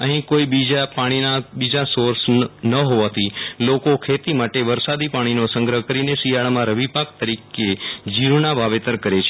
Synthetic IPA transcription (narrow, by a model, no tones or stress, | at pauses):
əɦĩkoibid͡ʒapaɽ̃inabid͡ʒasoɾsnəɦoʋat̪ʰilokokʰet̪imaʈeʋəɾsad̪ipaɽ̃inosə̃ŋɡɾəɦəkəɾinesijaɭmãɾəʋipak̚t̪əɾiked͡ʒiɾunabʱaʋet̪əɾkəɾet͡ʃʰe